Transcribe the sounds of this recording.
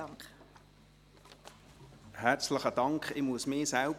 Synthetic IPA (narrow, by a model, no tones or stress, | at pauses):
ŋ | hɛʁt͡sləχədɑŋkχɪmuəsmɪːsɛlb